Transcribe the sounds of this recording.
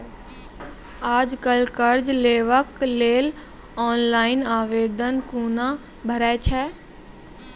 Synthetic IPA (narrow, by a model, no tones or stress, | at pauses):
aːd͡ʒkəlkəɾd͡ʒleːʋəkleːl | ɔːnlaːɪnaːʋeːd̪ənkuːna | bʱəɾɛt͡ʃʰɛː